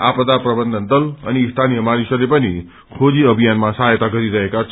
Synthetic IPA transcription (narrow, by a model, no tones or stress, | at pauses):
a̰pəd̪apɾəbənd̪ʱənd̪ələ̰niːst̪ʰanijəmaɾisəlepəni | kʰod͡ʑiəbʱijanmãsajət̪aɡʱəɾiɾəɦekat͡ʃʰ